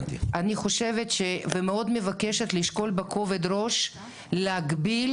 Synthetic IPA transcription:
dʔaniχo̞ʃevetʃevemeo̞d̪mevakeʃet̪liʃko̞lbekʰo̞ved̪ɾo̞ʃ | leaɡbil

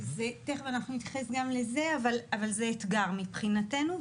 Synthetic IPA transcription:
zeteχveanaχnunit̪jaχe̞sɡamle̞ze̞avalavalzeːt̪ɡaʁmipχinate̞nu

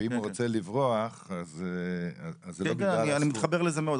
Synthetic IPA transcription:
imuʁot͡selivʁoaχazeaazːelokeaanianimit̪χabe̞ʁlezemeod̪

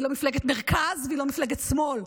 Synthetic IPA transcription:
ilomifleɡet̪meʁkazveilo̞mifleɡet̪smo̞l

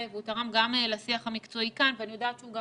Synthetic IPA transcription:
evutaʁamɡamelasiaχhamikt͡so̞ikanveanijo̞daːtt͡ʃeuɡa

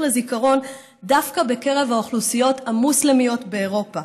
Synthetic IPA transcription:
lezikaʁo̞n | dafkabe̞ke̞ʁe̞vaoχlusijo̞thamuslemijo̞tbe̞ːʁo̞pa

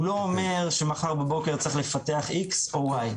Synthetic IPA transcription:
ulo̞ome̞ʁʃemaχaʁbebo̞ke̞ʁtt͡sʁiχle̞fate̞aχikso̞waj

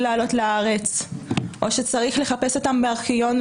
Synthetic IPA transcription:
laːlo̞tlaaʁe̞t͡sʔo̞ʃe̞t͡saʁiχle̞χape̞so̞tambeaʁkijo̞n

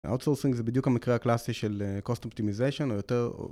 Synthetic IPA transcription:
ʔa̰wtsolsĩŋɡzebid̪jukhamikʁeaklasiʃelkostop̚t̪imizejʃonojot̪eʁo̰

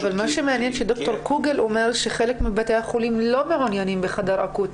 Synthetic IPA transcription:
avalmaʃemeanjenʃed̪okt̪o̞ɾkuɡelʔomeɾʃeχelekmibet̪ejhaχolimlo̞meʕonjanimbeχad̪ɑɾʔa̰kut̪

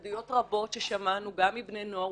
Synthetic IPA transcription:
dijo̞tʁabo̞tʃeʃamanuɡamːibne̞noa

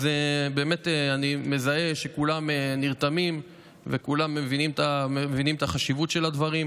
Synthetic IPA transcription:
zebe̞ːmet̪eanime̞zae̞ʃe̞kulameniʁt̪amim | vekulamːevinimt̪aevinimt̪aχaʃivut̪ʃe̞lad̪vaʁim

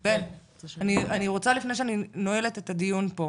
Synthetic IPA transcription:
e | anianiʁo̞t͡salifneʃeaninoele̞t̪etad̪ijunpo

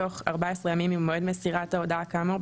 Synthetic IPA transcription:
o̞χaʁbaesʁejamimimod̪mesiʁat̪aod̪aakamo

